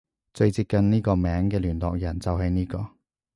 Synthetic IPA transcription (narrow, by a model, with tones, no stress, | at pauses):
t͡sɵ˧ɥt͡siː˧p̚kɐ˧nniː˥kɔː˧mɛː˨˥ŋkɛː˧lyː˨˩nlɔː˨k̚jɐ˨˩nt͡sɐ˨wɦɐ˨jniː˥kɔː˧